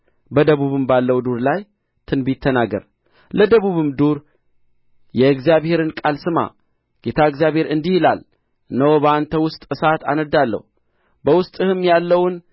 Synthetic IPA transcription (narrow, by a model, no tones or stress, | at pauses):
bəd̪əβuβɨmbalːəwd̪uɾlaj | t̪ʰɨnbit̪ʰːənaɡə̰ɾ | ləd̪əβuβɨmd̪uɾ | jɛɨɡzijaβhe̞ɾɨnkʼalsɨma̰ | ɡ̥e̞t̪ʰaɨɡzijaβhe̞ɾɨnd̪ihɪlal | nəwbəant̪ʰəwʊst̪ʼɨsat̪a̰nəd̪alːə̰h | bəwʊst̪ʼɨhɨmjalːəwn